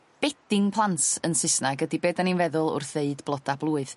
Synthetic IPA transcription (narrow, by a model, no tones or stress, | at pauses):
b̥ɛd̥ɪŋpʰlˠantənsɪsnaɡədibeːdaninvɛðʊlˠʊ̰rθeɨdblˠɔd̥ablˠuːɨð